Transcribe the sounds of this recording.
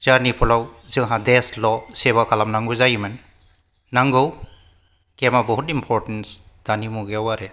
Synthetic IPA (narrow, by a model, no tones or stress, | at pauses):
zaɾnipʰulawzɯŋɦãdeslɔseβakʰalamnaŋɡɯzajimɯnː | aŋɡɯw | kemabɔɦutimpʰɔɾtens | d̥animuɡeawaɾe